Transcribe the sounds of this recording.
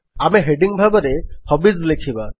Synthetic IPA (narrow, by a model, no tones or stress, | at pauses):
amɛɦeɖiŋbʱabaɾɛhɔbizlekʰiba